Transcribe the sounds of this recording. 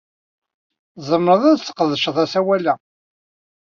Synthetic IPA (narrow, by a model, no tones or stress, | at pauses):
zˤəmːɾəðˤæðt͡sːə̥qəðʃəðˤæsæwælæ